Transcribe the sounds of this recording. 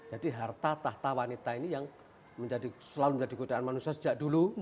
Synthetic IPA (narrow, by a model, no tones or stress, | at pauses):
d͡ʒ̥adiɦart̪at̪aht̪awanit̪ainijaŋ | məɲd͡ʒadisəlaluməɲd͡ʒadiɡudaanmanusiasə̥d͡ʒ̥aʔdulu